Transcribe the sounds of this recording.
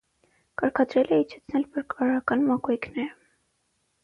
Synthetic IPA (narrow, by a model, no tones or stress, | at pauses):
kɑɾkʰɑd̪ɾɛlɛit͡ʃʰɛ̥t͡sʰnɛlbəɾkɑɾɑkɑnmɑkujknɛɾə